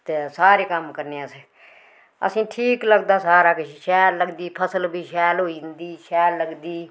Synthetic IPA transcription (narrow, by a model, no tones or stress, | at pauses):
t̪eːsaːɾeːkəmkəɾneːãse | ə̰sĩːʈʰiːkləɡd̪aːsaːɾaːkɪʃiʃɛːlləɡd̪iːpʰəsəlbiːʃɛːlɦoːind̪iːʃɛːllːəɡd̪iː